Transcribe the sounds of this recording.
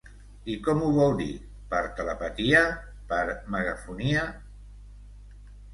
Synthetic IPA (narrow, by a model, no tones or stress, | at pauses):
ikɔmuβɔlˠd̪ḭ | pəɾt̪ələpət̪ia | pəɾməɣafunia